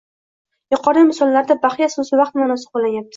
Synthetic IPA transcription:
jʊqʰɒɾɪmɪsɒlˠːaɾd̪abaχjasʊnsɪvɑqt̪manɒsɪ̥q̚bolːajap̚t̪ʰɪ̥

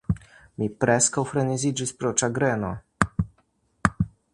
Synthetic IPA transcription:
mipɾɛskawfɾɛnizid͡ʒispɾɔt͡ʃaɡɾɛnɔ

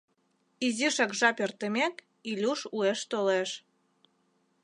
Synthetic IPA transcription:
iziʃɑkʒɑpert̪əmek | ilʲuʃueʃt̪oleʃ

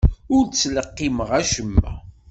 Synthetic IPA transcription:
ʊɾt͡sːləqːiməʁæʃəmːæ̰

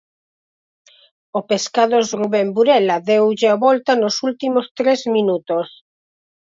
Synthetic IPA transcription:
opeskaðozruβembuɾelaðewʒeaβɔlt̪anosult̪imost̪ɾezmĩnut̪os

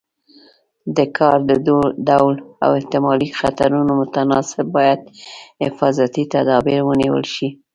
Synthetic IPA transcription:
d̪əkʰɑɾd̪əd̪oɖ̪awla̰wɪht̪ɪmɑlixat̪aɾunomʊt̪anɑsɪb̚ːɑjad̪hɪfɑzat̪it̪ad̪ɑbiɾwəniwə̰lʃi

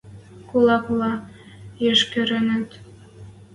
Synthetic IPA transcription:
kulˠɑkulɑ | jeʃkø̆ɾɘ̆nə̆t̪

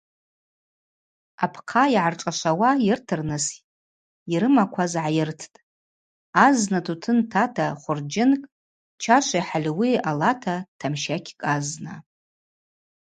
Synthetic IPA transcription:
apʰqʰaiʕarʈ͡ʂʼaʃʷawajɪrtʰɨrnɨs | iɾɨmakʷʰazʕajɪrtʰtʼ | aznatʰutʰɨntʰatʰaχʷʊrd͡ʒɪnkʼ | t͡ʃʰaʃʷaħalʲwialatʰatʰamʃakʲʰkʼazna

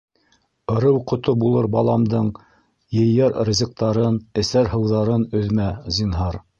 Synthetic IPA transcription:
ɤ̆ɾɤwqŏt̪obulˠɤɾbɑlˠɑmd̪ɤɴ | jɘ̆jɑɾrzʲiq̚t̪ɑɾɤnɘ̆sæɾhɤ̆wðɑɾɤnɵ̆ðmæzʲinɦɑɾ

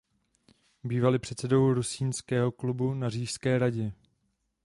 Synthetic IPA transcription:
biːvalɪpr̥ɛt̪sɛdo̞wɾusiːnskɛːɦo̞klubunariːʃskɛːɾaɟɛ

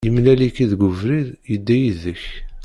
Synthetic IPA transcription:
jəmnælikiðɡʷʊvɾiðjəd̪ːæjiðəç

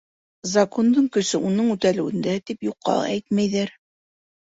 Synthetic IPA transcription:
zɐkond̪ɤɴkɵ̆ʃɘʔunɤɴʉt̪ælɘ̆wɘ̆nd̪æt̪ipjuqʰːɑ̰ʔæjt̪̚mæjðæɾ

